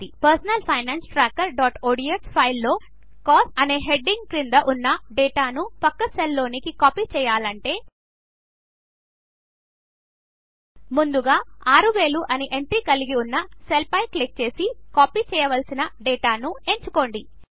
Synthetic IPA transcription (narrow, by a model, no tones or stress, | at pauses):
ipɐɾsɐnɐlpʰɐjnaːnsʈɾaːkːɐɾɖaːʈoːɽiekspʰɐjlːo̞ː | kaːsʈɐne̞ːɦe̞ɖːiŋɡkɾind̪ɐʔunːɐɖeːʈaːnupɐkːɐselːo̞ːnikikaːpiːt͡ʃɛːjaːlɐɳʈe̞ː | mund̪uɡaːaːɾuʋe̞ːluʔɐniʔe̞ɳʈɾiːkɐliɡiunːɐselpɐjklik̚t͡ʃe̞ːsikaːpiːt͡ʃɛːjɐʋɐlsinɐɖeːʈaːnue̞ɲt͡ʃuko̞ːɳɖi